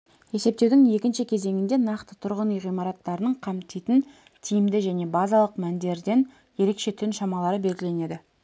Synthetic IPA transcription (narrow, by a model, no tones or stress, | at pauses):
je̞se̞p̚t̪e̞wd̪ɪŋje̞kʲɪnʃɪkʲʰe̞ze̞ŋɪnd̪e̞nɑqt̪ət̪ʰʊɾʁənijʁijmɑɾɑt̪ːɑɾənəɴqʰɑmt̪ijt̪ɪn | t̪ʰijɪmd̪ɪʒæne̞bɑzɑlˠəqmænd̪e̞ɾd̪e̞n | je̞ɾe̞kʃe̞t̪ʰʏnʃɑmɑlˠɑɾəbe̞lɡʲɪle̞ne̞d̪ɪ